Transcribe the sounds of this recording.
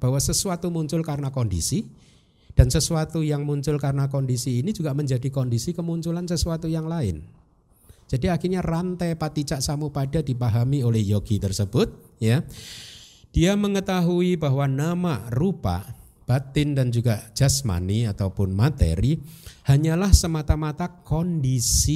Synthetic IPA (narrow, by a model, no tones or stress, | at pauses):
b̥aɦwasəsuat̪umuɲt͡ʃʊlkarnakɔndḭsi | d̥ansəsuat̪ujaŋmuɲt͡ʃʊlkarnakɔndisiːnid͡ʒuɡaʔməɲd͡ʒadikɔndisikəmuɲt͡ʃulansəsuat̪ujaŋlaɪ̰n | d͡ʒ̥adiakirɲarant̪ɛpat̪it͡ʃaʔsamupadadipaɦamiolɛhjɔɡ̥it̪ərsəb̥ʊt̪̚ | ja | d̥iaməŋət̪aɦuibaɦwanamaʔrupa̰ʔ | b̥at̪ɪndand͡ʒuɡaʔd͡ʒ̥asma̰niat̪awpʊnmat̪ḛɾihaɲalahsəmat̪amat̪akɔndisi